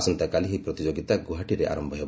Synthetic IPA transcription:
sɔnt̪akaliɦipɾɔt̪id͡ʒoɡit̪aɡuɦaʈiɾeʔa̰ɾɔmbʱɔɦeb

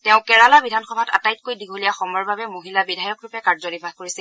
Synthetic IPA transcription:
tɛʊ̃kɛɹalabidʱanxɔbʱata̰tajt̚kojdiɡʱolijaxɔmɔɹbabɛmoɦilabidʱajɔkɹʊpɛkaɹzɔdibʱakoɹisil

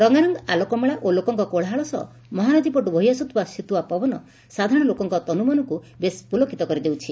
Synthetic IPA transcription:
ɾɔŋaɾɔŋɡɔalɔkɔmeɭaʔolokɔŋkɔkoɭɦaɭɔsɔ̰ | mɔɦanɔd̪ipɔʈubʱɔɦjasɔt̪ʰbasit̪uapɔbɔnɔ | sad̪ʱaɾɔɽ̃lokɔŋkɔt̪ɔnumanɔku | bespulokit̪ɔkɔɾid̪ewt͡ʃʰi

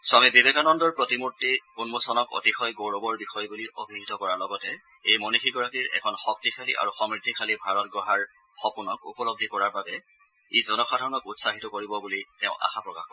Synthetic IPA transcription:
samibibɛɡanɔndɔɹpɹɔtimutːikunmosɔnɔko̰tixɔjɡoɹobɔɹbixɔjbuliʔobʱiɦitɔkɔɹaɹlɔɡɔtɛ | ejmɔnixʰiɡɔɹakiɹɛ̰kʰɔnxɔk̚tikʰalḭʔa̰ɹuxɔmɹitːikʰalibʱaɹɔtɡɹɔɦaɹ | xɔpunɔkṵpɔlɔb̚dʱikɔɹaɹbabɛ | izɔnɔxadʱaɹɔnɔkutsaɦitɔkoɹibɔbuliteʊ̃ʔa̰xapɹɔka̰xkɔ

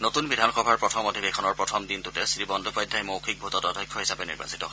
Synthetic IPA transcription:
notunbidʱanxɔbʱaɹpɹɔtʰɔmodʱibekʰɔnɔɹpɹɔtʰɔmdintutɛsɹibɔndʱupɔjd̪ʱːajmowkʰik̚bʱutɔtɔdʱɔjkʰːɔɦisabɛnḭɹba̰sitɔ

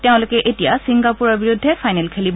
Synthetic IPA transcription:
teʊ̃lokɛʔetijasiŋɡapuɹɔɹbiɹudʱːɛfʰajnɛlkʰelib

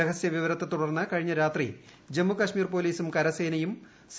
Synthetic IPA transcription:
eɣɐsjɐʋiʋɐɾɐt̪ːet̪uɽɐrnːɨkɐɻiɲːɐɾaːt̪rḭ | d͡ʑemːukɐʂmiːrpo̞ːliːsumkɐɾɐseːnɐjum | s

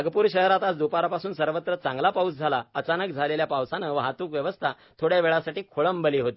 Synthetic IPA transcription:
ɡpuːɾɕəɦɾat̪at͡sd̪upaɾapasuːnsəɾʋət̪ɾət͡sãŋɡlapausd͡zʱalaət͡sanək̚d͡zʱaleljapaʋsanəʋəɦat̪uːkʋjəʋəst̪ʰa | t̪ʰoɽjaʋeɭasaʈiːkʰoɭəmbəliːɦot̪i

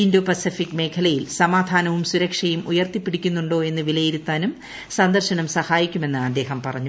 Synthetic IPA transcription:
indoːpɐsifikːme̞ːkʰɐlɐjilsɐmaːd̪ʱaːnɐʋumsuɾɐkʂɐjumujɐrt̪ipːiɽikʲːunːuɳɖo̞ːe̞nːɨʋilɐjiɾut̪ːaːnum | sɐnd̪ɐrɕɐnɐmsɐhaːjikʲːume̞nːɨɐd̪ːe̞ːɦɐmpɐrɐɲːu

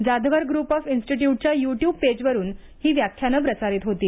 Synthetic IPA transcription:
d͡zad̪ʱʋəɾɡɾuːpɔfinsʈiʈjuʈ̚t͡ɕjajuʈjuːb̚ped͡ʑʋəɾuːn | hiːʋjakʰjanəp̬ɾət͡saɾiːt̪ɦot̪iː

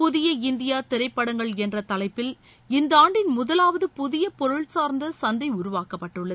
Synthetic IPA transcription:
pʊðɪjɐɪnd̪ɪjaːt̪ɪɾɐɪpːɐɽɐŋɡɐɭɛndrɐt̪ɐlɐɪpːɪl | ɪnd̪ɐaːɳɖɪnmʊðɐlaːʋɐðɯpʊðɪjɐpɔɾɯɭsaːɾnd̪ɐsɐnd̪ɐɪʊɾʊʋaːkɐpːɐʈːɯɭːɐðɯɯ

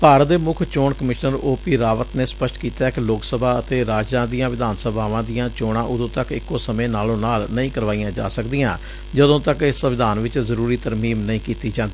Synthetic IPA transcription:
paːɾət̪̚d̪eːmʊkʰt͡ʃoːɳkəmɪʃnəɾoːpiːɾaːʋət̪neːspəʃʈkiːt̪aːɪkloːksəbʱaːət̪eːɾaːd͡ʒãːd̪ijãːʋɪd̪aːnsəbʱaːʋãːd̪ijãːt͡ʃoːɽãːʔʊd̪õːt̪əkɪkːoːsəmẽːnaːlõːnaːlnəĩːkəɾʋaːijãːd͡ʒa̰ːsəkd̪iːjãː | d͡ʒəd̪õːt̪əkɪsəʋɪd̪aːnʋɪt͡ʃzəɾuːɾiːt̪əɾmiːmnəĩːkiːt̪iːd͡ʒãːnd̪ː

